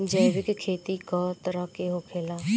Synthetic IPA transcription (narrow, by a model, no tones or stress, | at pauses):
d͡ʒəjʋɪkkʰeːt̪iːkɔːt̪əɾəɦkeːɦoːkʰeːlaː